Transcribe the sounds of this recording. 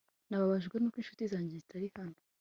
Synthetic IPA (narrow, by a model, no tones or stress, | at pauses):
naβaβaʒɡwenuːkwiːnʃu̥tizaːɲɟezitʰaɾihano